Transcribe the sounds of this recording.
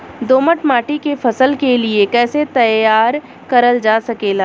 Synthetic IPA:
d̪oːməʈmaːʈikefʰɐsəlkeliekɛːset̪ɐjaːɾ | kɐɾəld͡ʒaːsɐkeːlaː

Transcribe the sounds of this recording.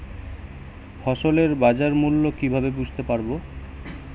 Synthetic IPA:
fɔʃoleɾbad͡ʑaɾmulːokibʱabebud͡ʑʱt̪epaɾbo

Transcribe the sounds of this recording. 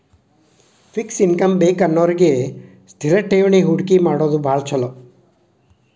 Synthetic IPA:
pʰiksinkɐmbeːkɐnːoːɾiɡe | st̪ʰiɾɐʈeːuɳiɦuɽkimaːɽoːd̪ubʱaːɭt͡ʃʰɐlo

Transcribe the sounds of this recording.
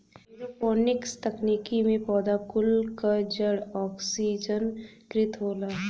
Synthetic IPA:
eɾopɔːnɪkst̪ɐkniːkimẽpɔːd̪akʊlkad͡ʒəɽɔːksiːd͡ʒənkɾɪt̪ɦoːlaː

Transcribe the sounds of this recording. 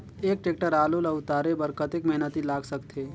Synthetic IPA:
eːk̚ʈeːk̚ʈəɾaːlolaʊt̪aːɾebəɾkət̪ekmɛɦnət̪ilaːɡsəkt̪ʰe

